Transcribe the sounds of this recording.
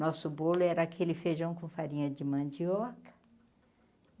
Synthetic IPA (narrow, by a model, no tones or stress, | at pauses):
nɔsʊbolʊɛɾɐakʰelɪfeʒɐ̃w̃kõfaɾĩɲɐd͡ʒɪmɐ̃d͡ʒiɔkɐ̥